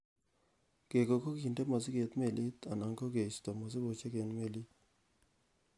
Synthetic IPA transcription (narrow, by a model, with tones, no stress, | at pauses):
ɡ̥e˨ɡo˨ko˦ɡi˨nde˦ma˨zɪ˦ɡe˨t̪me˦˨li˦t̪a˨na˨ŋko˦ɡe˨st̪ɔ˨mɔ˨zɪ˦bo˨t͡ʃe˦ɡe˨nme˦˨li˦t̪